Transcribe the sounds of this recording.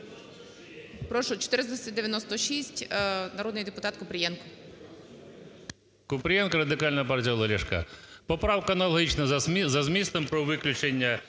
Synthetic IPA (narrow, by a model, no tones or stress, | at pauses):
pɾɔʃʊt͡ʃɔ̥t̪ɪɾɪzd̪ɐsʲɐtʲd̪eʋjɐnɔst̪ɔʃisʲtʲnɐɾɔd̪nɪjd̪epʊt̪ɑt̪kʊpɾʲjɛnkʊ̥ | kʊpɾʲɪjɛnkɐɾɐd̪ɪkɑlʲnɐpɑrtʲijɐlˠɐlʲɛʃkɑ̰pɔpɾɑwkɐɐnɐlˠɐɦʲit͡ʃnɐzɐzmʲist̪ɔmpɾɔʋɪklʲʊt͡ʃenʲːɐ